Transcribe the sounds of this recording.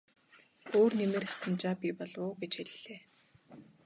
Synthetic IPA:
oːrnemĕrxḁtə̆nt͡ɕaːpʲipɔɮʊːɡet͡ɕxeɮːeː

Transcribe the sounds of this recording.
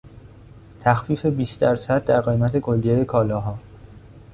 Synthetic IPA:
t̪ʰæxfiːfe̞biːsd̪æɾsæd̪̚d̪æɾɣe̞jmæt̪ʰe̞kʰo̞lːijejekʰɒːlɒːɦɒː

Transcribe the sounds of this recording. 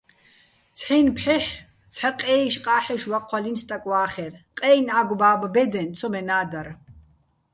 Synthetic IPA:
t͡sʰɛjnpʰħɛħ | t͡sʰaqʼɛːʃqʼaːħɛʃwaqʼʰwalinst̪ʼakʼwaːχɛrqʼɛːjnaɡʷbaːbbɛd̪ɛnt͡sʰɔmɛnaːd̪aɾ

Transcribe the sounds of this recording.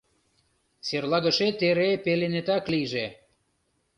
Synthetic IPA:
serlɑɣə̆ʃet̪eɾepelenet̪ɑkliʒe

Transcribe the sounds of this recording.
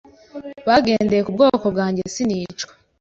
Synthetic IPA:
βaɡe̞ːnde̞jekub̚ɡo̞ːko̞bɡaːɲɟesiniːt͡ʃkwḁ

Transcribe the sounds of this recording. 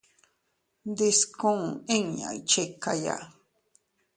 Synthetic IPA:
d̪ɪskoŋɪŋɲa̰jt͡ʃejkaja̰

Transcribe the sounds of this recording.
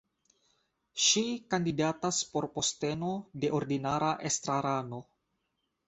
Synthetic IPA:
ʃikandidataspo̞ɾpo̞ste̞node̞ʔoɾdinaɾaʔest̪ɾaɾano

